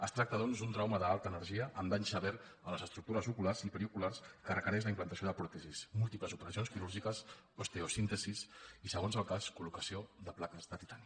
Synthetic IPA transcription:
əst̪ɾak̚t̪əðɔnzd̪unt̪ɾawməðəalˠt̪əːnəɾʒiəʔəmd̪ansəβɛɾ | ələzəst̪ɾuk̚t̪uɾəzukularzipəɾikularskərəkəɾɛʃ̬ləimplənt̪əsioðəpɾɔt̪əzismulˠt̪ipləzupəɾəsionskiɾuɾʒikəs | ost̪eosint̪əzisisəɣ̞onzəlˠkaskulukəsioðəplakəzðət̪it̪ani

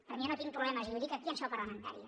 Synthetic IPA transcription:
pəɾminot̪iŋ̚pɾuβlɛmɐʒiuwðikakiənʃɔpəɾləmənt̪a̰ɾiə

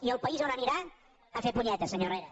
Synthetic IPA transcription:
iəlˠpəizonəniɾa | əfepuɲɛt̪əsəɲoreɾə

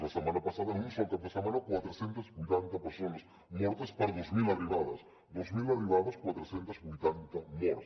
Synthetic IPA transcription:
lɐsemãnɐpasaðɐinisjak̪afesamanokwat̪ɾosjent̪ɐzbujt̪ant̪ɐpeɾsonas | moɾt̪ɐspaɾðezmilariβaðɐs | d̪ozmilariβaðɐskwat̪ɾosjent̪ɐzbujt̪ant̪ɐmoɾ

